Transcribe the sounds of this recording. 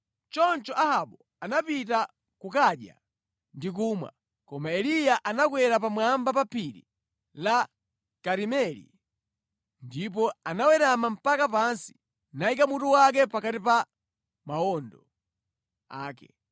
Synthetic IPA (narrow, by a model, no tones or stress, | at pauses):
t͡ʃɔnt͡ʃɔʔahaɓɔ | anapita | kukaɗja̰ | ndik̬umwa̰ | kɔmaɛlijaʔanakwɛɾap̬amwambapapʰiɾḭ | la | kaɾimɛlḭ | ndip̬ɔanawɛɾamam̩pakapansi̥ | naikamutuwak̬ɛpakatipa | maɔndɔ | a̰ːkɛ̰